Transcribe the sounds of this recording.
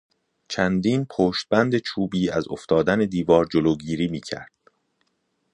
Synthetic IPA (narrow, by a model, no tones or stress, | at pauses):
t͡ʃʰænd̪iːnpʰoːʃt̪̚bænd̪e̞t͡ʃʰuːbiːæzo̰ft̪ɒːd̪æne̞d̪iːvɒːɾd͡ʒoloːɡiːɾiːmiːcʰæ̰ɾd̪̥